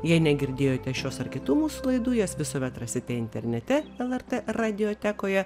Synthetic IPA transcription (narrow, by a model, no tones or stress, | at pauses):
jɛɪnʲɛɡʲɪɾʲd̪ʲeːjoːt̪ʲɛʃʲoːsɐɾkʲɪt̪uːmuːslˠɐɪd̪uːjɛsʋʲɪsoːʋʲɛt̪ɾɐsʲɪt̪ʲɛɪnʲt̪ʲɛɾʲnʲɛt̪ʲɛɛlˠɛɾt̪erɑd̪ʲɪjoːt̪ʲæːkoːjɛ